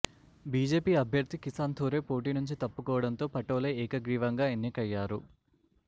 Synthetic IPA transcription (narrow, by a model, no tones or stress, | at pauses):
biːd͡ʒe̞ːpiːɐbʱjɐɾd̪ʱikisaːnt̪ʰoːɾe̞ːpo̞ːʈ̬iːnuɲt͡ʃit̪ɐpːukɔːʋɐɽɐnt̪o̞ːpɐʈoːlɐɛːkɐɡɾiːʋɐŋɡaːenːikɐjːaːɾu